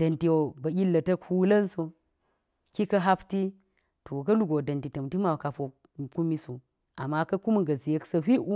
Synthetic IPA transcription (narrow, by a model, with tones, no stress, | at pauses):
d̥ɐ˨nti˨wo˨bɐ˨i˦lːɐ˨tɐ˦khu˦lɐ˦nso˦ | ki˦kɐ˦ɦa˦pti˦ | to˨kɐ˦lu˦ɡo˨dɐ˨nti˨tɐ˨mti˦ma˨wka˨fo˨ | ku˦mi˦su˨ | a̰˨mːa˦kɐ˦ku˦m˦ɡɐ˨zi˨je˦ksɐ˦ɦi˦ʔu˦